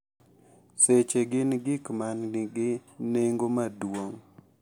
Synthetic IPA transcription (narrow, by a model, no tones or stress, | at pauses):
set͡ʃeɡɪnɡɪkmannɪɡɪneŋɡomadwoŋ